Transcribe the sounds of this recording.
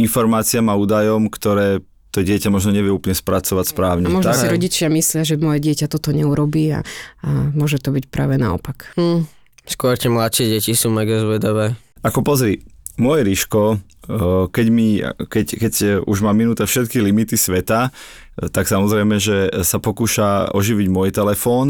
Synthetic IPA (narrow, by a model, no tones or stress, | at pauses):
infɔɾmaːt͡siamauːd̪ajɔmkt̪ɔɾɛː | t̪ɔɟɪɛcamɔʒnɔɲɛʋɪɛuːplɲɛspɾat͡sɔʋacspɾaːʊɲɛmɔʒnt̪asiɾɔɟit͡ʃɪamislɪaʒɛmɔjɛɟɪɛcat̪ɔt̪ɔɲɛuɾɔbiːa̰amʊɔʒɛt̪ɔbicpɾa̰ːʋɛna̰ɔ̰pak̩ː | skʊɔɾcɛmlat̪ʃɪɛɟɛcisuːmɛɡazʋɛd̪ɔʋɛː | akɔpɔzɾimʊɔjɛɾiʃkɔ | kɛɟmikɛckɛcuʒmaːminuːt̪ɛfʃɛt̪kilimit̪isʋɛt̪a | t̪aksamɔzɾɛjmɛʒɛsapɔkuːʃaɔʒiʋiɟmɔjt̪ɛlɛfɔːn